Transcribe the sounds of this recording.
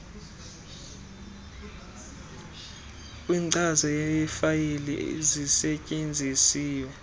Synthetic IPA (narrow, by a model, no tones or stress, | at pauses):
kʼwiːnǀʼazɔjejɛfajilḭzisɛcʼend͡zʱisiːwɛ